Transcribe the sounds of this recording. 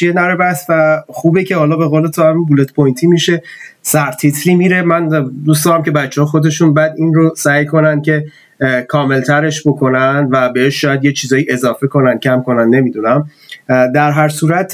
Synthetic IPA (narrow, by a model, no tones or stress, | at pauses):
t͡ʃienæɾebæsvæxuːbecʰe̞hɒːlɒːbe̞ɣoːle̞t̪ʰohæminbule̞t̪ʰpʰojnt̪ʰiːmiʃe̞ | sæɾt̪ʰit̪ʰliːmiːɾe̞mænd̪ustd̪ɒːɾæmce̞bæt͡ʃʰːehːxo̞d̪e̞ʃunbæːd̪inrosæːjkʰo̞nænd̪̚cʰe̞ | kʰɒːme̞lt̪ʰæɾe̞ʃbo̞kʰo̞nænd̪væbe̞heʃʃɒːjæd̪jet͡ʃʰiːzɒːjiʔe̞zɒːfe̞kʰo̞nænd̪̥̚cʰæmkʰo̞nænd̪ne̞mid̪unæm | d̪æɾɦæɾsuːɾæt̪ʰ